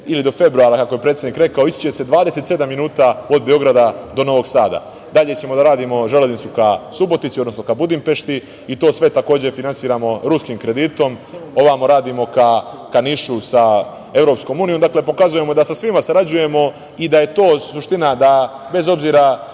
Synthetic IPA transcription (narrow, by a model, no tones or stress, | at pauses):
ilid̪o̞fe̞bɾuaːɾakakoje̞pɾet̪sʲed̪nikɾe̞kaoit͡ɕt͡ɕe̞se̞d̪ʋaːd̪ese̞t̪se̞d̪amːinuːt̪aod̪̚beo̞ɡɾad̪ad̪o̞no̞ʋo̞ɡsaːd̪a̰ | d̪aʎe̞t͡ɕe̞mo̞d̪aɾaːd̪imo̞ʒe̞lenit̪sukasubo̞t̪it̪iod̪nosno̞kabud̪impe̞ʃt̪i | it̪o̞ːsʋe̞t̪ako̞ːd͡ʑe̞finansiːɾamo̞ɾuskiːmkɾe̞d̪iːt̪o̞mo̞ʋamoɾaːd̪imo̞kakaniʃusa | e̞vɾo̞psko̞muːniomd̪aːkle̞po̞kazuje̞mo̞d̪asasʋimasaɾad͡ʑuje̞mo̞ | id̪aje̞t̪o̞ːsuʃt̪inad̪abe̞zo̞bziːɾa